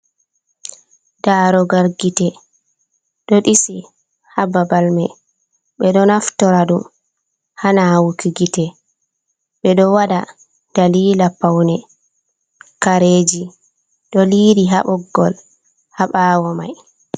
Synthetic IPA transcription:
daːɾɔɡaɾɡitɛ | ɗɔɗisi | hababalmɛ | ɓɛɗɔnaftɔɾaɗum | hanawukiɡitɛ | ɓɛɗɔwaɗa | d̥aliːlapawnɛ | kaɾeːd͡ʒi | ɗɔliːɾiɦa̰ɓɔɡːɔl | haɓaːwɔma̰j

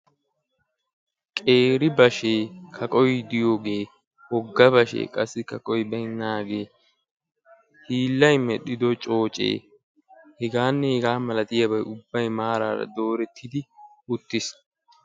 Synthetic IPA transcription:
kʼe̞ːɾɪbɐʃe̞ːkʰɐkʼɔjd̪ɪjo̞ːɡe̞ː | hɔɡːɐbɐʃḛːkʼɐsːɪkɐkʼɔjbɐjnːaːɡe̞ː | hiːlːɐjmɛɗɪd̪ɔt͡ʃʼo̞ːt͡ʃʼḛː | hɛɡaːnːɛhɛɡaːmɐlɐt̪ɪjɐbɐjʊbːɐjmaːɾa̰ːɾɐ̰d̪o̞ːɾɛt̪ʰːɪd̪ɪ | ʊt̪ːɪs

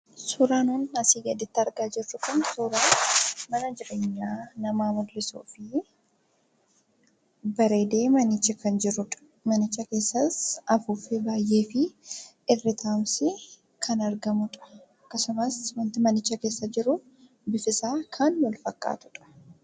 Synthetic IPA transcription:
suːɾaːnɔːnɐsiːɡɐd̪ɪt̪ːɐɾɡaːd͡ʒɪrːʊkʊnsuːɾaːmɐnɐd͡ʒɪɾe̞ːɲːaːnɐmaːmʊd̪lɪsṵːfɪ | bɐɾe̞ːd̪e̞ːmɐnɪt͡ʃːɐkɐnd͡ʒɪɾʊᶑɐ̥ | mɐnɪt͡ʃːɐke̞ːsːɐsɐfuːfebaːjʔe̞ːfɪ | ɪrːɪt̪ʰaːmsɪ | kʰɐnɐɾɡɐmʊᶑɐ̥ | ɐkːɐsʊmɐswɐnt̪ɪmɐnɪt͡ʃːɐke̞ːsːɐd͡ʒɪɾʊ | bɪfɪsaːkʰɐnwɐlfɐkʼːa̰ːt̪ʊ̥ᶑɐ̥

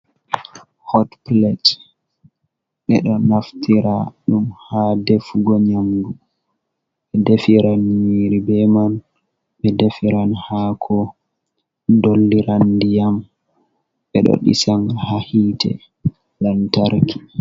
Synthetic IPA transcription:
hɔtplɛt | ɓɛɗɔnaftʰiɾaɗumhadefuɡɔɲamdu | ɓɛdefiɾanmiːɾibɛman | ɓɛdefiɾanhakʰɔ | dolːiɾandijam | ɓɛɗɔ̰ɗḭsaŋhahitʰɛ̰ | lantaɾkʰi̥

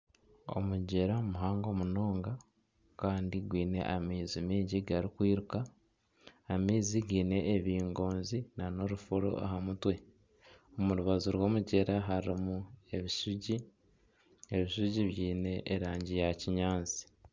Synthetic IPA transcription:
o̞̰muɟeɾamuɦaːŋɡo̞muno̞ːŋɡa | kaːndiɡwiːne̞̰ʔamiːzimiːɟiɡaɾikwiːɾukaː | miːziɡiːne̞ːβiːŋɡo̞ːnzinano̞ɾufuɾo̰ʔa̰ɦamutwe̞ | omuɾuβazuɾwo̞ːmuɟe̞ɾaɦaɾimue̞βisuɟi | eβiʃuɟiβjiːne̞ʔːɾaːɲɟijaciɲaːnt͡si̥

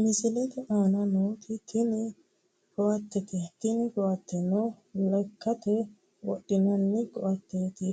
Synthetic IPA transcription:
mɪzɪlɛt̪ɛʔaːnɐnoːt̪ʰɪt̪ʰɪnɪ | ɡɔʔɐt̪ːɛt̪ɪt̪ɪnɪɡɔwɐt̪ːɛnɔlɐkːɐt̪ɛ | wɔ̰ɗɪnɐnːɪɡɔʔɐt̪ːeːt̪ɪ

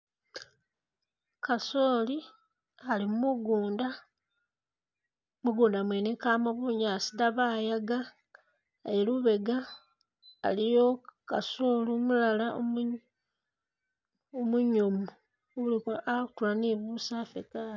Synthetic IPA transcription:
kasoli | alimmuɡnda | muɡuːndamweːnekaːmoβuɲaːsidaβajaɡa | ajeluβe̞ɡa̰ː | lijokasoliumulalaom | omuɲomu | βulikoʔatulaniβusafekala

